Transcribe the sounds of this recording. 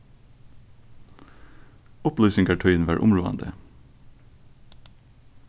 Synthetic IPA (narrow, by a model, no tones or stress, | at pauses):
ʊplœːsɪŋɡɑʈʰœʏnʋæːɹʔʊmɹuːɑ̰nd̪ə̰